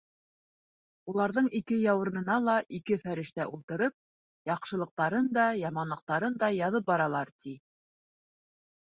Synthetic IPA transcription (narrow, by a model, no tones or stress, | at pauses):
ulˠɑɾðɤɴikɘjɑwɤ̆ɾɤ̆nɤ̆nɑlˠɑʔikɘfæɾɘ̆ʃt̪æʔulˠt̪ɤ̆ɾɤp̚ | jɑqʃɤ̆lˠɤ̆q̚t̪ɑɾɤnd̪ɑjɑmɑnlˠɤ̆q̚t̪ɑɾɤnd̪ɑjɑðɤp̚bɑɾɑlˠɑɾt̪i